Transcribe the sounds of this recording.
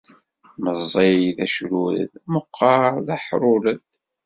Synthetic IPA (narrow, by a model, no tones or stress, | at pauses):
məzˤːeðæʃɾuɾə̰ðməqʰːɑɾðæħɾˤʊləð